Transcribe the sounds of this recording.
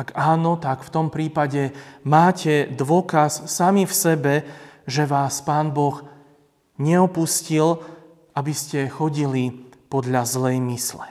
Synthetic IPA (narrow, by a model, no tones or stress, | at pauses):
aɡaːnɔt̪akft̪ɔmpɾiːpaɟɛmaːcɛd̪ʋʊɔkasːamifsɛbɛʒɛʋaːspaːnbɔx | ɲɛɔpuscil | ʔabiscɛxɔɟilipɔd̪ʎazlɛjmislɛ